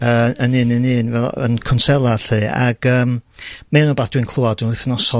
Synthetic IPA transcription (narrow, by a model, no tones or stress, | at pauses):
əənɨnənɨːnvɛlˠə̰nkʰʊnsɛlˠaɬɨːa̰ɡ̥əːmmenɔbaːθd̥wɨnkʰlˠʊadunʊθnɔsɔ